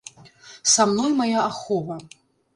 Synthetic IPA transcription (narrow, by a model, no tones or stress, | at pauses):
samnɔjmajaːxɔvɐ